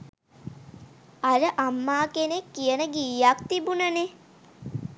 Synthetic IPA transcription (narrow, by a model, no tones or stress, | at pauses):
aləʔamːaːkenekːijənəɡiːjak̚t̪ibunəne